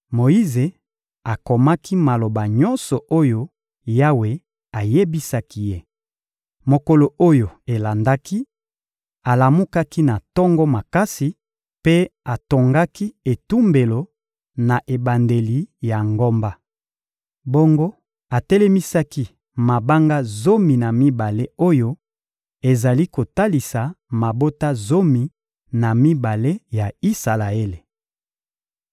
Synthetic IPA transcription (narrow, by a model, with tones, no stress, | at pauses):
mo˨i˦ze˨ | a˨ko˨ma˦ki˦ma˨lo˨ba˨ɲɔ˦nsɔ˨ʔo˦jo˦ | ja˦we˨ | a˨je˦bi˦sa˦ki˦je˦ | mo˨ko˨lo˨o˦jo˨e˨la˨nda˦ki˦ | a˨la˨mu˦ka˦ki˦na˨tɔ˦ŋɡɔ˦ma˨ka˦si˨ | pe˦a˨to˨ŋɡa˦ki˦e˨tu˦mbe˨lo˨ | na˨ʔe˨ba˨nde˨li˨ja˨ŋɡo˦mba˦ | bo˦ŋɡo˦ | a˨tɛ˦lɛ˦mi˦sa˦ki˦ | ma˨ba˦ŋɡa˦zo˦mi˨na˨mi˦ba˨le˦o˦jo˦ | e˨za˨li˦ko˨ta˦li˨sa˨ma˨bo˦ta˦zo˦mi˨ | na˨mi˦ba˨le˦ja˨i˦sa˨la˨e˦le˨